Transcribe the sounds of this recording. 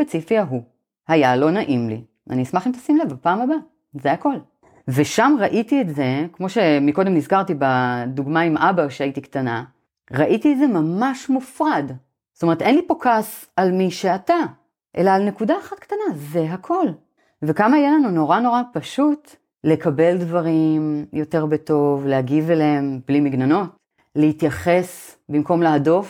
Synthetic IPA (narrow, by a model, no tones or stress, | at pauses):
spet͡sifiaɦu | hajalo̞naʔimlḭ | a̰nismaχimt̪asimlevapaːmaba | zehako̞l | ve̞ʃamʁaʔitietze̞kmo̞ʃe̞miko̞demnizkaʁtibaduɡmaimʔabaʃeaitiktana̰ | ʁaʔitietzemamaʃmufʁad | stome̞ʁete̞nlipokas | almiʃeata | ʔe̞̰laːlne̞kudaːχatktanaze̞ɦakʰo̞l | vekamaijelanuno̞ʁano̞ʁapaʃut | le̞kabe̞ldvaʁimjo̞te̞ʁbeto̞vlehaɡiveleemblimiɡnano̞t | lehitjaχe̞sbimko̞mleado̞f